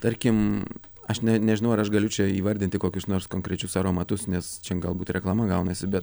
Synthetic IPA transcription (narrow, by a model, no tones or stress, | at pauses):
t̪ɐɾʲkʲɪm | ɐʃnʲɛnʲɛʒʲɪnɐʊɐɾɐʃɡɐlʲʊt͡ʃʲɛiːʋɐɾʲd̪ʲɪnʲt̪ʲɪkoːkʲʊsnoːɾskoːŋkɾʲɛt͡ʃʲʊsɐɾoːmɐt̪ʊsnʲɛst͡ʃʲɛɡɐlˠbuːt̪ɾʲɛklˠɐmɐɡɐʊnɐsʲɪbʲɛt̪